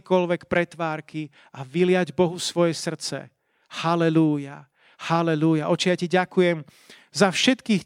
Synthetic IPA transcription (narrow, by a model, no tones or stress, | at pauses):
kɔlʋɛkpɾɛt̪ʋaːɾki | aʋilɪaɟbɔɦufsʋɔjɛsr̩t͡sɛ̰ | halɛluja | halɛlujaʔɔt͡ʃijaciɟakujɛm | zafʃɛt̪kiːx